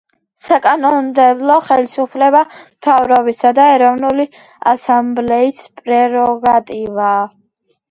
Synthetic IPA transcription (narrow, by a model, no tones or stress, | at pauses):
sakʼanɔnd̪ɛblˠɔχɛlisupʰlɛbamt̪ʰavɾɔbisad̪aɛɾɔvnuli | a̰samblɛispʼɾɛɾɔɡat̪ʼivaː